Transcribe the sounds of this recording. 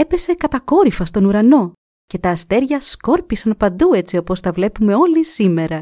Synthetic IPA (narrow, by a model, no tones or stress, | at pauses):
e̞pe̞se̞kɐt̪ɐko̞ɾifɐst̪o̞nuɾɐno̞ | ce̞t̪ɐːst̪e̞ɾʝɐsko̞ɾpisɐnpɐnd̪ue̞t͡sio̞po̞sθɐvle̞pume̞o̞lisime̞ɾɐ